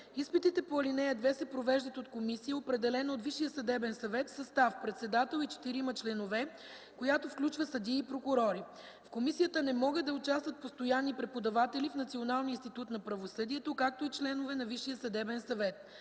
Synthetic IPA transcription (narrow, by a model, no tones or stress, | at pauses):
ispit̪it̪ɛpoɐlinɛjəd̪vɛsɛpɾovɛʒd̪ət̪ot̪komisiəopɾɛd̪ɛlɛnoːt̪viʃijəsɐd̪ɛbɛnsɐvɛt̪sɐst̪afpɾɛt̪sɛd̪at̪ɛlˠit͡ʃɛ̥t̪iɾimɐt͡ʃlɛnovɛ | kojat̪ofklʲut͡ʃvəsɐd̪iipɾokʊɾɔɾi | fkomisijət̪ənɛmɔɡəd̪ɐot͡ʃast̪vət̪̚post̪ojanːipɾɛpod̪ɐvat̪ɛlifnɐt̪sionalˠninst̪it̪ut̪nɐpɾɐvosɤd̪iɛt̪okak̚t̪oit͡ʃlɛnovɛnɐviʃijəsəd̪ɛbɛnsɐvɛt̪̚